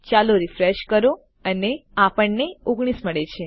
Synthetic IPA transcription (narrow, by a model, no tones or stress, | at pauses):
t͡ʃaloɾifɾeʃkəɾo | əneapəɳːeoɡɽ̃isməɭet͡ʃʰe